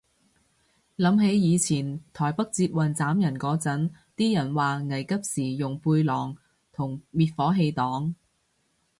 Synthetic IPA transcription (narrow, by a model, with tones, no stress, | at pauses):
lɐ˨˧˥mɦe˨˥jjiː˨˧t͡sʰiː˨˩nt̪ʰɔː˨˩jpɐ˥k̚t͡siː˧t̚wɐ˨˩nt͡saː˨˥mjɐ˨˩nkɔː˨˥t͡sɐ˨˥n | t̪iː˥jɐ˨˩nwaː˨ŋɐ˨˩jkɐ˥p̚siː˨˩jʊ˨ŋpuː˧jlɔː˨˩ŋ | t̪ʰʊ˨˩ŋmiː˨˧t̚fɔː˨˥ɦe˧jt̪ɔː˨˥ŋ